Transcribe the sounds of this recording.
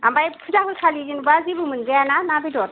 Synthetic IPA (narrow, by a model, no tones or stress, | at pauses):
ambajpʰɯzaɦɯlkʰalizinbazibɯmɯnzejananabidɔt̚